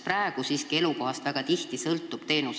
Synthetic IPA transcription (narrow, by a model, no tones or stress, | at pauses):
præeɡ̥usiskie̞luko̞hɑst̪væɡ̥ɑt̪iht̪isɤlt̪ːˑub̥t̪e̞ːnus